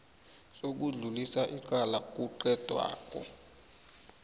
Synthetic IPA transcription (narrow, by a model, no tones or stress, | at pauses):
sok̬uɮulisaʔik̬ʼalak̬ʼuǃɛd̥ʱwa̰ːkʼɔ̰